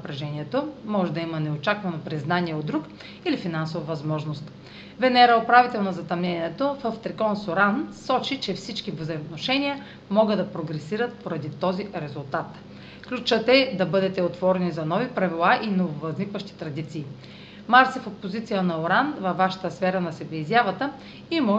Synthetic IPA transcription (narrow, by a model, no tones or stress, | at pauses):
nɐpɾɛʒɛniɛt̪omɔʒɛd̪ɐimənɛot͡ʃakvɐnopɾiznaniɛod̪d̪ɾuk | ilifinansovɐvɐzmɔʒnost̪ | vɛnɛɾəopɾavit̪ɛlˠnozɐt̪ɐmnɛniɛt̪ofəft̪ɾɛkɔnsoɾansɔt͡ʃit͡ʃɛfsit͡ʃkivzəjmot̪noʃɛnʲiə | mɔɡəd̪d̪ɐpɾoɡɾɛsiɾət̪̚poɾɐd̪it̪ɔziɾɛzulˠt̪at̪ | klʲut͡ʃət̪ɛd̪ɐbɤd̪ɛt̪ɛot̪vɔɾɛnizɐnɔvipɾɐvilˠaʔinovovɐznikvəʃt̪i̥t̪ɾɐd̪it̪siː | maɾsifopozit̪sijənɐoɾanvɐvːaʃə̥t̪əsfɛɾənɐsɛbɛizʲjavət̪ə | imɔ